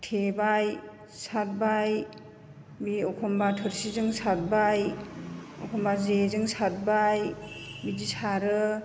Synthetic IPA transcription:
tʰebaj | sat̚baj | biɔkʰɔmbatʰɯɾsizɯŋsat̚baj | ɔkʰɔmbazezɯŋsat̚bajbid͡ʒisaɾɯ

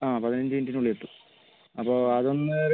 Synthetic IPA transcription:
aːpɐðinɐɲd͡ʑɨindinuɭːieʈːu | ɐpːoːɐðo̞nːɨɾ

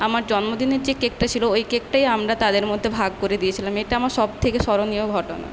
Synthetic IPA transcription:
amaɾd͡ʑɔnmod̪ineɾd͡ʑekek̚ʈat͡ɕʰiloojkek̚ʈajamɾat̪ad̪eɾmod̪ʱːebʱaɡ̚koɾed̪ijet͡ɕʰilameʈaamaɾʃɔb̚t̪ʰekeʃɔɾonioɡʱɔʈona̰

